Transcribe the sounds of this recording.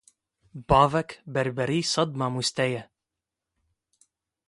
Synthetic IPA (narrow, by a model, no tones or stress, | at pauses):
bɑvɛkbɛɾbɛɾiːsɐd̪mamust̪ɛjɛ